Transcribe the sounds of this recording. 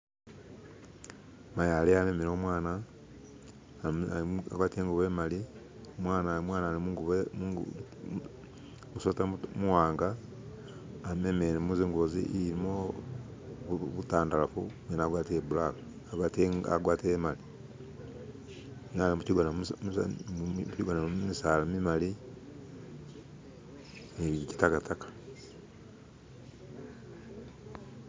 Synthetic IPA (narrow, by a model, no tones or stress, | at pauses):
majaleamemeɾoːmwaːna | aɡwaːtieːŋɡuβemali | omwaːnamwaːnaːliɡβ | musotamuwaːŋɡa | memeɾemuziŋɡozḭʔːɾimo | ββutaːndalafumwenaɡwaːteβulaka | ɡta̰ɡwaːtiemali | ŋaimuciɡana | ciɡanamisalamimali | eiici̥takatakḁ